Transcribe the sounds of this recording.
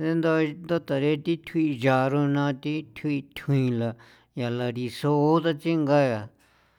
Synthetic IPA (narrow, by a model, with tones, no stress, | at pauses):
d̪e˦nd̪o˧nd̪o˦t̪a˨ɾe˦t̪i˦t̪ʰwi˧ʒa˨ɾõ˧nã˧t̪i˦t̪ʰi˧t̪ʰĩ˧la˨ | ja˨la˧ɾi˧so˧˦t̪a˦t͡ʃi˦ŋɡa˦ja˨